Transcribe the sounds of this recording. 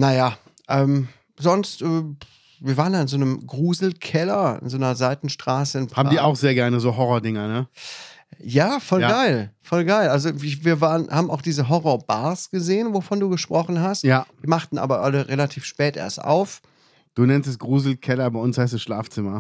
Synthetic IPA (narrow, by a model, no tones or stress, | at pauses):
najaː | ʔɛːm | zɔnstʔɛː | viːɐvaːʁəndaːɪnzoːnəmɡʁuːzl̩kʰɛlɐɪ̰nzoːnɐzaɪtn̩ʃtʁ̥aːsəɪnpaːbm̩diːaʊxz̥eːɐɡɛɐnəzoːɦɔʁoɐdɪŋɐnə | jaːfɔlaɡaɪlfɔlɡaɪlʔalzoɪviːɐvaːʁənhaːbm̩aʊxd̥iːzəɦɔʁɔɐbaɐsɡ̥əzeːənvofɔnduːɡəʃpʁ̥ɔχn̩ɦastjad̥iːmaχtn̩ʔa̰ːbɐʔaləʁelatʰiːfʃpɛːtʔḛːɐstʔa̰ʊf | d̥uːnɛnstɛsɡ̥ʁuːzl̩kʰɛlɐbaɪʊnshaɪs̬tʊsʃlaːft͡sɪmɐ